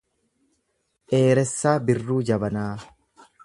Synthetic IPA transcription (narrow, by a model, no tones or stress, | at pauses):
ʔe̞ːɾɛsːaːbɪrːuːd͡ʒɐbɐnaː